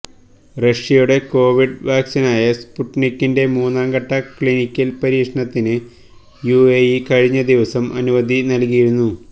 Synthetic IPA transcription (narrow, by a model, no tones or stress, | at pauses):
rɐʂijuɽe̞ko̞ːʋiɖʋʔaːksinaːjɐspuʈnikʲːinde̞muːnaːŋɡɐʈːɐklinikʲːɐlpɐɾiːkʂɐɳɐt̪ːinɨ | juejikɐɻiɲːɐd̪iʋɐsɐmʔɐ̰nuʋɐd̪ʱinɐlkijiɾunːu